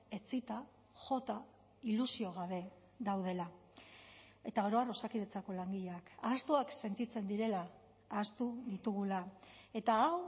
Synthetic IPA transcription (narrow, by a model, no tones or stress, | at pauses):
e̞t͡sit̪a | ʝo̞t̪a | ilusio̞ɣ̞aβ̞e̞ | ðawð̞e̞la | e̞t̪aoɾo̞aro̞sakiðe̞t͡sako̞laŋɡiʎeakaːst̪uakse̞nt̪it͡se̞nd̪iɾe̞laː | st̪uðit̪uɣ̞ulae̞t̪aːw